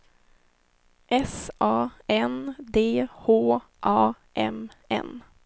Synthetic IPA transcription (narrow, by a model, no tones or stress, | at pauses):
ʔɛsʔɑːɛnd̪eːhoː | ʔɑː | ʔɛ̰m | ɛ̰n